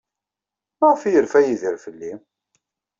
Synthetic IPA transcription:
mæʁfijəɾfæjiðiɾfəlːi

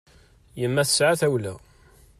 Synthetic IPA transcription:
jəmːæθəsʕaθæwlæ̰

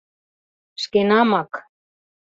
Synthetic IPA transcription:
ʃkenɑmɑk

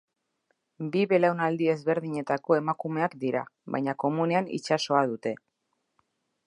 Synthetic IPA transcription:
biβe̞lawnald̪ie̞zβe̞ɾðiɲe̞t̪ako̞e̞makume̞akd̪iɾa̰βa̰jɲako̞mune̞anḭt͡ʃaso̞að̞ut̪e̞

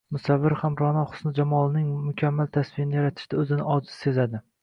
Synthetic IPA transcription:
mʊsavːɪɾhamɾɒnɒχʊ̥snɪd͡ʒamɒlˠɪnɪŋmʊkʲʰamːalt̪ʰasvɪjɪnɪjaɾat̪ʰɪ̥ʃt̪ʰaɵzɪnɪɒzɪsse̞zad̪ɪ

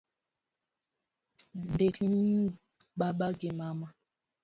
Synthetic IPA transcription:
dekn | ɓaɓaɡemama

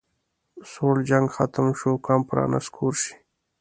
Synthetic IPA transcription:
sold͡ʒaŋɡxat̪əmʃukɑmpɾɑ̰ːna̰skʰuɾʃi̥

